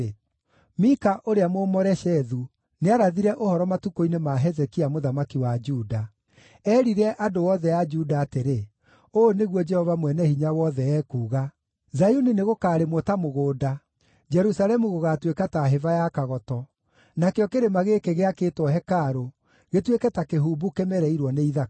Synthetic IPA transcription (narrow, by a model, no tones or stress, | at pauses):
mikaʔoɾeamoːmɔɾɛʃɛðu | neaɾaðiɾɛʔohɔɾɔmatukoinemaɦɛzɛkiamoðamakiwad͡ʒuːda | ɛːɾiɾɛʔadowɔðɛad͡ʒudaːteɾe | oːneɣwɔd͡ʒɛhɔvamwɛnɛhiɲawɔðɛɛːkuːɣa | zajunineɣokaːɾemwɔtamoɣoːda | d͡ʒɛɾusalɛmuɣoɣatwekataɦevajakaɣɔtɔ | nakeɔkeɾemaɣekeɣeakeːtwɔɦɛkaɾo | ɣetwekɛtakeɦubukemɛɾɛiɾwɔneiða